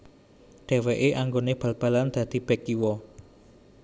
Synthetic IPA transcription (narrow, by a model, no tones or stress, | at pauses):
ɖ̥e̤weʔeʔaŋɡoneb̥a̤lb̥ä̤land̪̥ä̤d̪̥i̤b̥ɛkiwɔ